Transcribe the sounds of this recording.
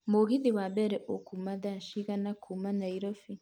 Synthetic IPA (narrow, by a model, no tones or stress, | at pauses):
moɡidiwabeɾɛʔokʰumaðaʃiɣanakʰumanaiɾofi